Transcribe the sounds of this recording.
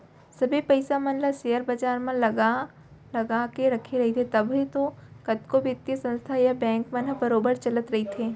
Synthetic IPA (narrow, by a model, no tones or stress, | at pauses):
sɐbʱipɐɪsamɐ̃nləʃejəɾbad͡ʒaːɾmɐ̃lɐɡa | lɐɡakeɾɐkʰeɾɐɦet̪ʰet̪ɐbʱɦit̪okɐt̪kobʱɪt̪jəsə̃nst̪ʰajabɛ̃ːŋkmɐ̃nəbɐɾoːbəɾt͡ʃɐlət̪ɾɐɦit̪ʰeː